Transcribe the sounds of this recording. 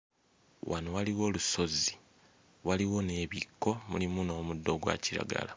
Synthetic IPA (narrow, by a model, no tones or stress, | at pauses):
wʔanowaliwo̞ːluso̞zi̥ | waliwo̞ne̞ːβikːo̞mṵlimuno̞ːmudːo̞ɡwa̰ciɾa̰ɡa̰la